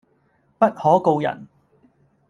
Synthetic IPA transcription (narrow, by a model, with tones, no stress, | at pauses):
pɐ˥t̚hɔː˨˥ko˧wjɐ̰˨˩n